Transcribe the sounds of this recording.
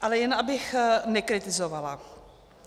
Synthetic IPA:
ʔalɛjɛnʔabɪxnɛkɾɪt̪ɪzovala

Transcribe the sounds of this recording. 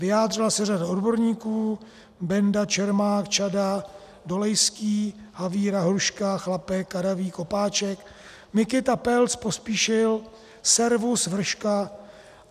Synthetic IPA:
vɪaːdr̝ɪlasɛradao̞dbo̞ɾɲiːkuː | bɛndat͡ʃɛɾmaːkt͡ʃada | do̞lɛjskiːhaviːɾaɦɾuʃkaxlapɛkːaɾaviːko̞paːt͡ʃɛk | mɪkɪt̪apɛlt͡spo̞spiːʃɪl | sɛɾvusvr̩ʃka

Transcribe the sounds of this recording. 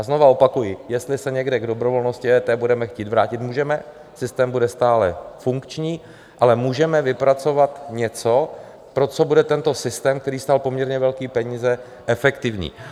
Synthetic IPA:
ʔazno̞vao̞pakujɪjɛst̪lɪsɛɲɛɡdɛɡdo̞bɾo̞vo̞lno̞scɪɛt̪ɛbudɛmɛxciːt̪vɾaːcɪt̪muːʒɛmɛ | sɪst̪ɛːmbudɛst̪aːlɛfuŋkt͡ʃɲiː | ʔalɛmuːʒɛmɛvɪpɾat͡so̞vat̪ɲɛt͡so̞ | pɾo̞t͡so̞budɛt̪ɛnt̪o̞sɪst̪ɛːmk̚t̪ɛɾiːst̪aːlpo̞mɲɛɾɲɛvɛlkiːpɛɲiːzɛ | ʔɛfɛkt̪ɪvɲḭː

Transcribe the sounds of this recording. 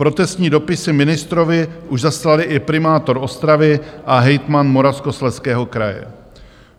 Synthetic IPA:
pɾo̞t̪ɛst̪ɲiːdo̞pɪsɪmɪnɪst̪ɾo̞vɪʔuʒzaslalɪʔɪpɾɪmaːt̪oɾo̞st̪ɾavɪʔaɦɛjt̪manmo̞ɾafskoslɛskɛːɦo̞kɾajɛ̰

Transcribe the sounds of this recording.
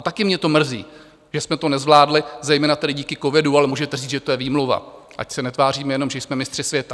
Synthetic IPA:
at̪akɪmɲɛt̪o̞mr̩zḭː | ʒ̥ɛsmɛt̪o̞nɛzvlaːdlɪzɛjmɛːnat̪ɛdɪɟiːkɪko̞vɪdualɛmuːʒɛt̪ɛriːʒɛt̪ojɛviːmlova̰ | ʔa̰csɛnɛt̪vaːriːmɛjɛno̞mʒɛjsmɛmɪst̪r̥ɪsvjɛt̪a

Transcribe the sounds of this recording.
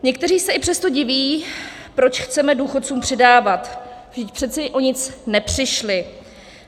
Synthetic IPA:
ɲɛk̚t̪ɛriːsɛʔɪpr̥ɛst̪o̞ɟɪviː | pɾo̞t͡ʃxt͡sɛmɛduːxot̪̚t͡suːmpr̝̥ɪdaːvat̪vʒdɪc̚pr̝̥ɛt̪t͡sɛʔoɲɪt͡snɛpr̝̥ɪʃlɪ

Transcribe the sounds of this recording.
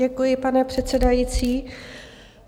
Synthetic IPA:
ɛkujɪpanɛpr̝̥ɛt̪t͡sɛdajit͡siː

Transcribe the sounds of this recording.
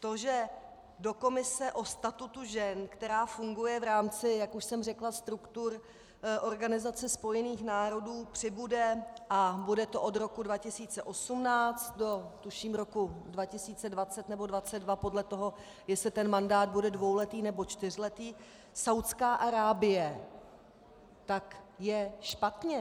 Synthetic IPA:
t̪o̞ʒɛ | do̞ko̞mɪsɛʔo̞st̪at̪ut̪uʒɛnkt̪ɛɾaːfuŋɡujɛvɾaːmt͡sɪjakuʃsɛmrɛklast̪ɾukt̪uɾ | ʔo̞ɾɡanɪzat͡sɛspo̞jɛniːxnaːɾo̞duːpr̝̥ɪbudɛʔabudɛt̪o̞ʔod̪ɾo̞kudvacɪsiːt͡sɛʔo̞sumnaːt͡st̪̚do̞t̪uʃiːmɾo̞kudvacɪsiːt͡sɛdvat͡sɛt̪nɛbo̞dvat͡sɛd̪dvapo̞dlɛt̪o̞ɦo̞ | jɛslɪt̪ɛnmandaːd̪̚budɛdvo̞wlɛt̪iːnɛbo̞t͡ʃt̪ɪr̝lɛt̪iː | sawt̪skaːʔaɾaːbɪjɛ | t̪akjɛʃpat̪ɲɛ

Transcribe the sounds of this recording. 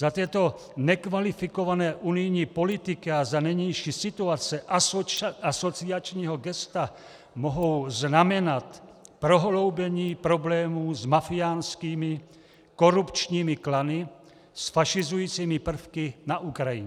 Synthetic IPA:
zat̪jɛt̪o | nɛkvalifikovanɛːʔunɪjɲiːpolit̪ɪkiazanɛjɲɛjʃiːsit̪uat͡sɛʔ | asot͡siat͡ʃɲiːɦoɡɛst̪a | moɦowznamɛnat̪pɾoɦlowbɛɲiːpɾoblɛːmuːzmafiaːnskiːmɪ | koɾupt͡ʃɲiːmɪklanɪ | sfaʃizujiːt͡simɪpr̩fkɪnaʔukɾajḭɲɛ

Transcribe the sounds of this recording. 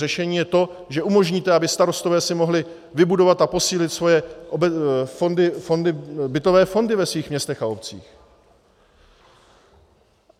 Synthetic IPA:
ɛʃɛɲiːjɛt̪o̞ | ʒɛumo̞ʒɲiːt̪ɛabɪst̪aɾo̞st̪ovɛːsɪmo̞ɦlɪ | vɪbudo̞vat̪apo̞siːlɪt̪svo̞jɛʔofondɪfondɪbɪt̪o̞vɛːfo̞ndɪvɛsviːxmɲɛst̪ɛxaopt͡sḭːx

